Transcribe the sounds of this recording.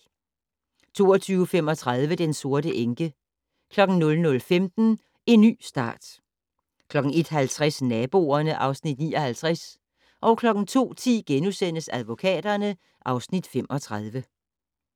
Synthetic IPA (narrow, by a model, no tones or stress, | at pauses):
t͡sʰo̝̰ːɐt͡sʰyːʊəfem̰ɒ̽t͡sʰʁað̞ˠʋəd̥enso̝ɐɾəʔeŋɡ̥ə | kʰlɒ̽ɡ̥n̩nɔ̽lnɔ̽lfemd̥n̩ | e̝nːy̰ːsd̥ɑ̰̈ːd̥ | kʰlɒ̽ɡ̥ŋ̩e̝d̥ɦælt͡sʰʁasnɛːb̥o̝̰ːɐnəʔɑ̈ʊsnid̥nḭːɒ̽hælt͡sʰʁas | ʔɒ̽ʊkʰlɒ̽ɡ̥n̩t͡sʰo̝̰ːt͡sʰḭːɡ̥enusen̰əsæð̞ˠʋo̝kʰɛ̰ːd̥ɐnə | ʔɑ̈ʊsnid̥fem̰ʔɒ̽t͡sʰʁað̞ˠʋə